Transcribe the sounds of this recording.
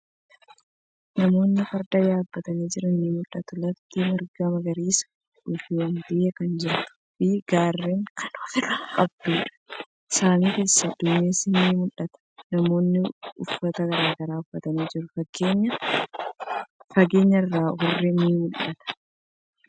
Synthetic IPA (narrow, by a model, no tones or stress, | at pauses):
nɐmo̞ːnːɪfɐɾd̪ɐjaːbːɐt̪ɐniːd͡ʒɪɾɐnːiːmʊlːɐt̪ʊlɐt̪ːiːmɐɾɡɐmɐɡɐɾiːs | ʊfiɐnb̪ɪʔeːkɐnd͡ʒɪɾt̪ʊ̥fiɡaːrːeːŋkʰɐ̥noːfɪlɐkʼɐb̚d̪uːᶑɐ̥ | saːniːke̞ːsːɐd̪ʊmeːsɪnːiːmʊlːɐt̪ɐ̥nɐmo̞ːnːɪʊfːɐt̪ɐɡɐɾaːɡɐɾaːʊfɐt̪ɐniːd͡ʒɪɾʊfɐɡeːɲːɐ | fɐɡe̞ːɲːɐɪrːaːhʊrːɪniːmʊlːɐt̪ɐ̥